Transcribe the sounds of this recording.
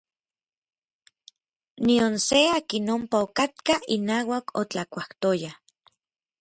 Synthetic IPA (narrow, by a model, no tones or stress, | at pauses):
nionseaːkinompaokat̪̚kainaːwakot͡ɬakʷaht̪oja